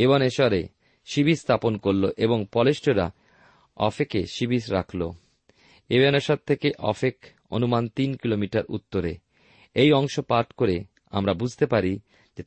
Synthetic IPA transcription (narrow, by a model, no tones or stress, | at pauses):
eβɔneʃɔɾe | ʃibist̪ʰaponkoɾloʔeboŋpɔleʃʈoɾa̰ | ɔ̰fekeʃibisɾakʰlo̰ | ebanoʃat̪t̪ʰːekeʔɔ̰fek | o̰numant̪inkilomiʈaɾṵt̪ːoɾe | ejɔŋʃopaʈkoɾe | a̰mɾabud͡ʑʱt̪epaɾi | d͡ʑe